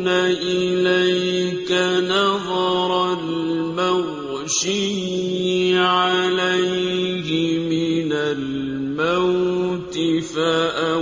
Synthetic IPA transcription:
naʔɪlajkanɑðˤɑɾˤlmaɣ | ʃɪj | ʕalajhɪmɪnal | mawt̪ɪfaʔa

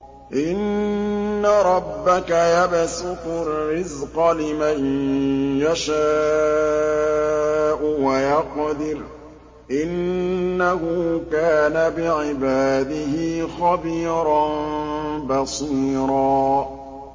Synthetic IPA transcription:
ʔɪnː | aɾˤɑbːakajabsʊqʊrːɪzqɑlɪman | jaʃaː | ʔʊwajɑqd̪ɪɾ | ʔɪnːahʊkaːnabɪʕɪbaːd̪ɪɦɪxɑbiːɾˤɑnbɑsˤiːɾɑː

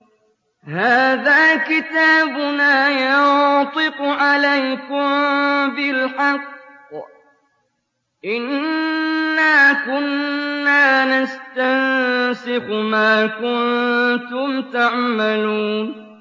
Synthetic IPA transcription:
haːðaːkɪt̪aːbʊnaːjɑt̪ˤɪqʊʕalajkʊmbɪlħɑqː | ʔɪnː | aːkʊnːaːnast̪ansɪxmaːkʊnt̪ʊmt̪aʕmaluːn

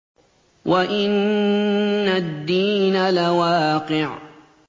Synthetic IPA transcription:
wʔaʔɪnː | ad̪ːiːnalawaːqɪʕ

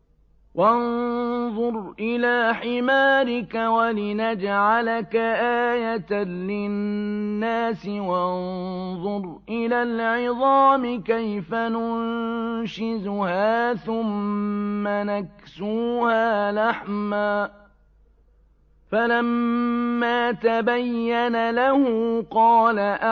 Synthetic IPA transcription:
wʔanðˤʊɾʔɪlaːħɪmaːɾɪkawalɪnad͡ʒʕalakaʔaːjat̪anlɪnːaːsɪwanðˤʊɾ | ʔɪlaːlʕɪðˤɑːmɪkajfanʊnʃɪzʊhaːθʊmː | anaksuːhaːlaħmaː | falamː | aːt̪abajːanalahʊqɑːlaʔa

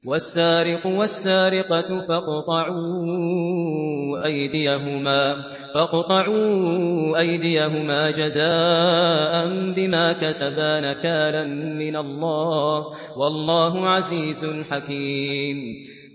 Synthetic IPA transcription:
wasːaːɾɪqʊwasːaːɾɪqɑfɑqt̪ˤɑʕuː | ʔajd̪ɪjaɦʊmaː | fɑqt̪ˤɑʕu | ʔajd̪ɪjaɦʊmaːd͡ʒazaːʔanbɪmaːkasabaːnakaːnanmɪnalˤːɑːh | wɑlˤːɑːɦʊʕaziːzʊlħakiːm

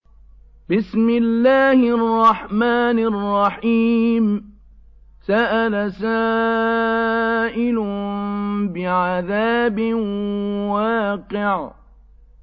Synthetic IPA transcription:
bɪsmɪlːaːhɪʔɑrˤːɑħmaːnɑrˤːɑħiːm | saʔalasaː | ʔɪlʊ | bɪʕaðaːbɪ | waːqɪʕ

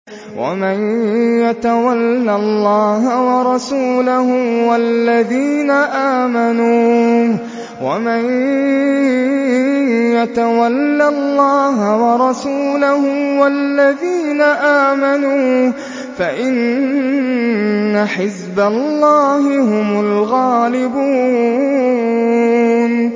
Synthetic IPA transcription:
wa̰manjat̪awalːalːɑːɦawɑɾˤɑsuːlahʊmwalːaðiːnaʔaːmanuː | wa̰man | jat̪awalːalːɑːɦawɑɾˤɑsuːlahʊmwalːaðiːnaʔaːmanuː | faʔɪn | aħɪzbalːɑːhɪhʊmʊlɣaːlɪbuː | n

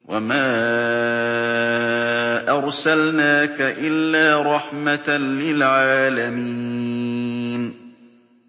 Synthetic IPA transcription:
wa̰maː | ʔɑɾˤsalnaːkaʔɪlːaːɾˤɑħmat̪lɪlʕaːlamiː | n

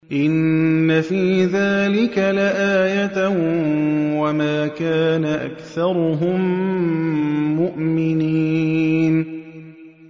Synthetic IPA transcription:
ʔɪnːafiːðaːlɪkalaʔaːjat̪ | wamaːkaːnaʔa̰kθɑɾˤʊɦʊm | ʊʔmɪniːn

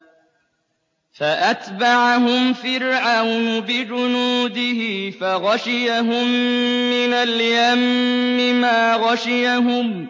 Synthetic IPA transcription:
faʔat̪baʕaɦʊmfɪɾʕawnʊbɪd͡ʒʊnuːd̪ɪhɪfaɣaʃɪjaɦʊmːɪnaljamːɪmaːɣaʃɪjaɦʊm

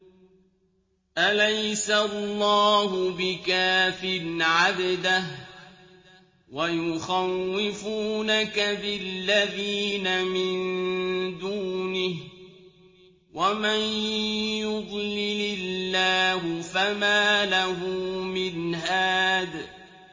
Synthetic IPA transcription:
ʔalajsalˤːɑːhʊbɪkaːfɪnʕabd̪ah | wajʊxawːɪfuːnakabɪlːaðiːnamɪnd̪uːnɪh | wamanjʊd̪ˤlɪlɪlːaːɦʊfamaːlaɦʊmɪnɦaːd̪

